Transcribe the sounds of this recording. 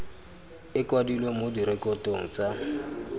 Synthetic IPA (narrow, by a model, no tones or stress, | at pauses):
ɪkwadilwemodiɾɛkʼɔtʼoŋ̩t͡sʼa